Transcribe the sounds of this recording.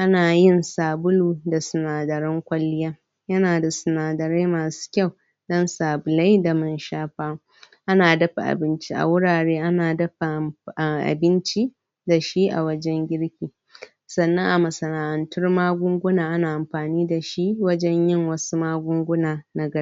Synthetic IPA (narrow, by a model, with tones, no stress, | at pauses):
ʔa˦naː˨jɪ˦nsaː˨bʊ˦luː˨da˨sʊ˨naː˨dɐ˨ɾɪ˦ŋkʷɐ˦lːɪ˦jɐ˦ | jɐ˦naː˨da˨sʊ˨naː˨dɐ˨ɾe˦maː˨su̥˦kʲɐ˦˨w | dɔ˦nsaː˨bʊ˨la˦jda˨mɐ˦nʃaː˦ɸaː˦ | ʔa˦naː˨dɐ˦ɸa̰˨ʔa̰˨bɪ˦nt͡ʃi˦ʔa̰˨wʊ˦ɽaː˨ɽeː˦ʔa˦naː˨dɐ˦ɸa˨ʔʔa̰˨bɪ˦nt͡ʃi˦ | da˨ʃi˦ʔa̰˨wɐ˦d͡ʒɛ˦ŋɡʲɪ˦ɽkʲiː˨ | sɐ˨nːɐ˦ŋʔa˨mɐ˨sɐ˨naː˨ʔɐ˨ntʊ˦rmaː˦ɡʷʊ˦ŋɡʷʊ˦naː˨ʔa˦naː˨ʔa˨mɸaː˨niː˦da˨ʃi˦wɐ˦d͡ʒɛ˦ɲjɪ˦˨ŋwɐ˦su˦maː˦ɡʷʊ˦ŋɡʷʊ˦naː˨na˦ɡɐ˦